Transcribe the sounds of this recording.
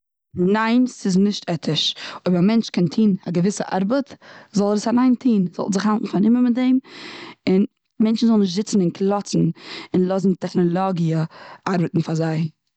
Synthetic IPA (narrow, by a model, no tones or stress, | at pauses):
naɪnsɪznɪʃtɛtʰɪʃoɪbəɾamɛnt͡ʃkʰɛntʰiːnaɡəvɪsəʔa̰ɾbətzɔlˠədəsanaɪntʰiːnz̥ɔ̰tzɪχhalˠtn̩fanɪməmɪtdɛɪmɪn | mɛnt͡ʃn̩zɔlˠnɪʃtz̥ɪt͡sn̩ɪnkʰlˠɔt͡sn̩ɪnlˠɔzn̩tɛχnɔlˠɔɡiəaɾbətn̩fazaɪ